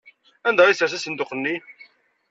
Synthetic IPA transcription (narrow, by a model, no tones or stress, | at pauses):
ænd̪æisəɾθæsənd̪oqənːi